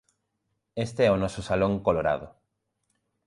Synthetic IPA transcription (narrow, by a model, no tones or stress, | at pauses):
est̪eɛonɔsʊsalõŋkoloɾa̰ðʊ